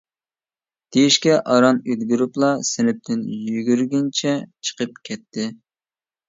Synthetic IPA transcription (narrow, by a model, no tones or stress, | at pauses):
d̪̥ejiʃkʲɛʔɑɾɑnød̪ɡʲyɾuplˠɑsɪnɪp̚t̪ʰɪnjyɡʲyɾɡʲɪnt͡ʃʰɛt͡ʃʰə̥qəp̚kʲʰɛt̪ʰːɪ